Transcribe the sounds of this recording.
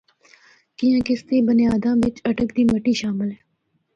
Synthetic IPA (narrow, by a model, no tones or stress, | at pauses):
kijãːkɪst̪eːbənjaːd̪ãːʋɪt͡ʃɐʈəkd̪iːməʈiːʃaːmɪlɦɛː